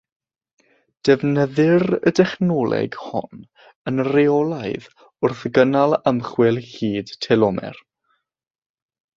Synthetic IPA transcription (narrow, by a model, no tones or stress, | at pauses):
d̥ɛvnəðɪrə̰dɛχnɔːlˠɛ̰ɡhɔ̰n | ənreɔlˠaɨð | ʊrθɡənalˠəmχwɪlˠhiːd̥tʰɛlɔmɛ̰r